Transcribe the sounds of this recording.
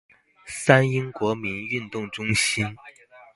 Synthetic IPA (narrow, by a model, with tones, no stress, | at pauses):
sa˥ni˥ŋkwɔ˧˥mi˧˥ny˥˧nt̪ʊ˥˩ŋʈ͡ʂʊ˥ŋɕi˥n